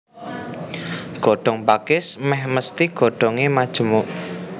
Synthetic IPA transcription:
ɡ̥ɔ̤ɖ̥ɔ̤ŋbakɪsmɛhməst̪iɡ̥ɔ̤ɖ̥ɔ̤ŋemad̥ʒ̥ə̤muʔ

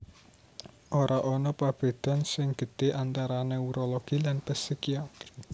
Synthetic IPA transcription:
ʔoɾaʔɔnɔpab̥e̤d̪̥a̤nsɪŋɡ̥ə̤d̪̥eʔant̪aɾaneuɾolɔɡ̥ilanpɛsikiat̪ɾi

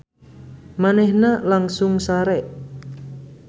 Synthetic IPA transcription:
manɛhnalaŋsʊŋsaɾɛʔ

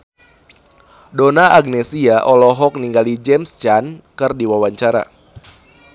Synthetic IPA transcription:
donaʔaɡ̚nɛsiaʔɔlɔɦɔk̚niŋɡalid͡ʒɛmst͡ʃankɨrdiwawaɲt͡ʃaɾa̰

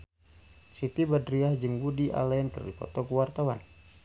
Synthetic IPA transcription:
sit̪ibadɾiahd͡ʒəŋɡudiʔa̰laənkə̰rḭkɔ̰t̪ɔkuwart̪awa̰n

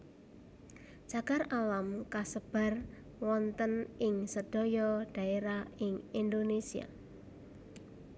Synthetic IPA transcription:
t͡ʃaɡ̥aralamkasəb̥a̤r | wɔnt̪ənɪŋsəd̥ɔ̤jɔɖ̥a̤eɾahɪŋind̪onesia̰

